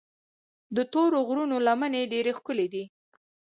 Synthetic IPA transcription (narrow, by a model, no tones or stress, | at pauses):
d̪ət̪oɾoɣɾunolaməneɖeɾexkəled̪i